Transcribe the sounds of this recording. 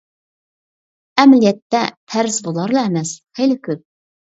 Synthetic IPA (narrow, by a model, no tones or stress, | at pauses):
ɛmlijɛt̪ːɛ̰t̪ʰæɾɪzbolˠɑɾlˠɑɛmɛsχejlɪkʲʰøp̚